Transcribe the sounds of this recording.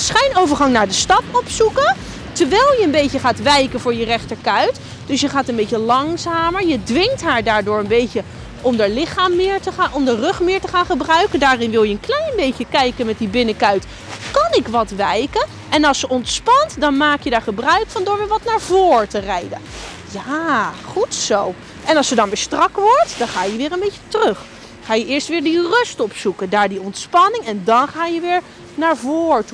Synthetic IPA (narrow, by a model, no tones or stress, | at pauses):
sχɛjnowvəɹχɑŋnaːɹdəstɑpɔpsukə | təɹʋɛjlˠjəənbejcəχaːtʋɛjkənvʊːɹjərɛχtəɹkœɥt | d̥ɵsjəχaːtənbejcəlɑŋzaːməɹjədʋɪŋtɦaːɹdaːɹdʊːɹənbejcə | ʔɔmdaːɹlɪχaːmːɪːɹtəχaːnɔmdərɵχmɪːɹtəχaːnχəbrœɥkəndaːrɪnʋɪlˠjəənklɛjnbejcəkɛjkənmɛt̚dibɪnəkœɥt | kɑnɪkʋɑtʋɛjkən | ɛnɑlˠsjəɔntspɑntdɑnmaːkjədaːɹχəbrœɥkfɑndʊːɹʋɪːɹʋɑtnaːɹvoːɹtərɛjdə̰n | jaːχutsow | ʔɛnɑlˠsədɑnbɛstrɑkʋɔɹtd̥ɑnχaːjəʋɪːɹənbejcətərɵχ | χaːjəʔɪːɹstʋɪːɹdirɵstɔpsukəndaːɹdiɔntspɑnɪŋɛndɑnχaːjəʋɪːɹ | naːɹvoːɹtu